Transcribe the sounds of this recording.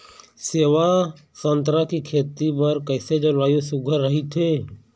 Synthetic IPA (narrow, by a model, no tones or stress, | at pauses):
seːʋa | sənt̪ɾakikʰeːt̪ibəɾkəɪsed͡ʒolaːjosʊɡʱəɾːəɦit̪ʰeː